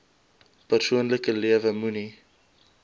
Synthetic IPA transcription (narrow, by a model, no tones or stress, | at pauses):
pərsuənləkəliəvəmuni